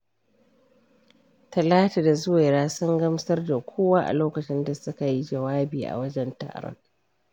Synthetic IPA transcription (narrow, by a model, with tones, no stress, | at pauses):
tɐ˨laː˦ta˨da˨zʊ˦wa˨ɾaː˦sʊ˦ŋɡɐ˦msɐ˦rda˨kʷʰoː˦waː˦ʔa̰˨loː˦kɐ˨t͡ʃɪ˦nda˨sʊ˦ka˨ji˦d͡ʒɐ˨waː˦biː˨ʔa̰˨wɐ˦d͡ʒɛ˦nta̰ː˨ɽɔ̰˦ŋ